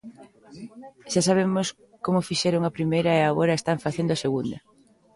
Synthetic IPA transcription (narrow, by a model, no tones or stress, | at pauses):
ʃasaβ̞emʊs | komʊfiʃɛɾoŋapɾimejɾɐeaɣoɾɐest̪aɱfaθend̪oʊaseɣund̪ɐ